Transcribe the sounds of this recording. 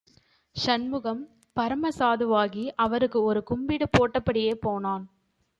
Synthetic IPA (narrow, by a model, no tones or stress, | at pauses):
ʂɐnmɯɣɐm | pɐɾɐmɐsaːðɯʋaːɣiʔɐʋɐɾɯkːɯɔɾɯkʊmbiːɽɯpoːʈːɐpːɐɽɪjeːpoːnaːn